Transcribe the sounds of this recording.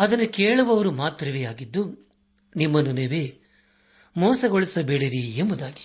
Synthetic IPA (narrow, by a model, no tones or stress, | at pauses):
ɐd̪ɐnːuke̞ːɭuʋɐʋɐɾumaːt̪ɾɐʋeːaːɡid̪ːu | nimːɐnːuniʋeː | mɔːsɐɡoɭisɐbeɭiɾiembud̪aːɡi̥